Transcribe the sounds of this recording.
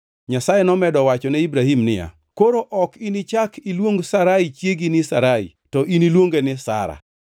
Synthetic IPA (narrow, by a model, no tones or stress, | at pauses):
ɲasajɛnɔmɛdɔwat͡ʃɔnɛibɾahimnɪja̰ | koɾoʔɔkinit͡ʃakʰilwoŋɡsaɾait͡ʃjeɡinɪsaɾaḭ | tɔʔinilwoŋɡenɪsa̰ɾa̰